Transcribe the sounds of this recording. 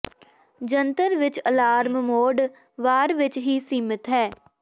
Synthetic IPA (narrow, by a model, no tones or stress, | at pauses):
d͡ʒənt̪əɾʋɪt͡ʃəlaːɾmmoːɖ | ʋaːɾʋɪt͡ʃɦiːsiːmɪt̪ɦɛː